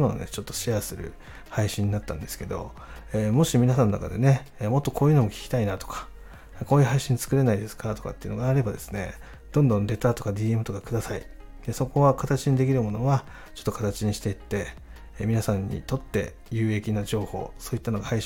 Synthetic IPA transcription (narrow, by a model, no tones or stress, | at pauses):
no̰nḛt͡ɕo̞t̪ːo̞̥ɕiasɨɾɯ̟̰ | haiɕĩɲ̟ːinat̪ːã̰nd̪e̞sɨ̥ke̞d̪o̞̰ | eːmo̞ɕimʲinasãnːona̰ka̰d̪e̞̰ne̞ːmo̞t̪ːo̞kʰo̞ːjɯ̟ːno̞mo̞kʲi̥kʲi̥t̪ainat̪o̞̥kḁ | ko̞ːjɯ̟ːɦaiɕĩnt͡sɨ̥kɯ̟ɾe̞naid̪e̞sɨ̥kat̪o̞ka̰t̪ːeiɯ̟̰noɡaːɾe̞bad̪e̞sɨ̥ne̞̰ | d̪̥õ̞nd̪õ̞nd̪e̞t̪at̪o̞kad̪ʲiːe̞mɯ̟t̪o̞kakɯ̟d̪asai | d̪̥e̞so̞ko̞βakat̪at͡ɕiɲ̟id̪e̞kʲiɾɯ̟mo̞no̞βa | t͡ɕo̞̥t̪ːokat̪at͡ɕiɲ̟iɕi̥t̪e̞it̪ːe̞ | mʲinasãɲ̟ːḭt̪o̞t̪ːe̞̰ | jɯ̟ːe̞kʲinaʑo̞ːho̞̰ːso̞ːit̪ːano̞ɡahai